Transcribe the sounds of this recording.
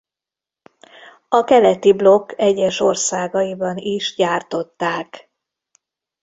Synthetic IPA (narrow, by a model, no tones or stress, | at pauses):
ɒkɛlɛt̪iblo̞kːɛɟːɛʃo̞rsaːɡɒjibɒniʃɟaːrt̪o̞t̪ːaːk